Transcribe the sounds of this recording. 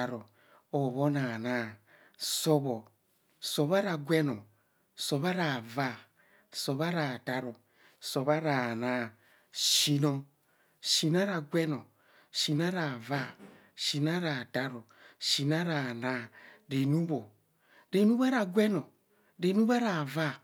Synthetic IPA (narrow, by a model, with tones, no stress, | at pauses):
a˨ɾo˨ | o˨βo˦na˨na˦˨ | so˦βo˨ | so˨βa˦ɾa˨ɡʷɛ˦no˨ | so˨βa˦ɾa˨va˦ | so˨βa˦ɾa˨da˦ɾo˨ | so˨βa˦ɾa˨na˦˨ | ʃi˨no˨ | ʃi˨na˦ɾa˨ɡʷɛ˦no˨ | ʃi˨na˦ɾa˨va˦ | ʃi˨na˦ɾa˨da˦ɾo˨ | ʃi˨na˦ɾa˨na˦˨ɾe˨nu˦bo˨ | ɾe˨nu˦ba˦ɾa˨ɡwɛ˦no˨ | ɾe˨˦nu˦βa˦ɾa˨va˦